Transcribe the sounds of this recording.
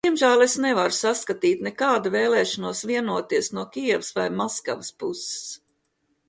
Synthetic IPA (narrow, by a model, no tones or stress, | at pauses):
d̪̥iɛmʒæːlˠesnevaɾusaskat̪iːt̪nɛkaːd̪aveːlˠɛːʃanuɔsviɛnuɔt̪iɛsnuɔkʲiɛʋɪsvajmɔska̰ʋəspuse̥s